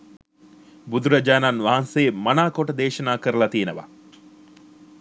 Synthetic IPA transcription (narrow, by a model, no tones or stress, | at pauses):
bud̪uɾɐd͡ʒaːnanʋaɦanseːmɐnaːkoʈɐd̪eːʃɐnaːkəɾəlɐt̪ienəʋɐ̰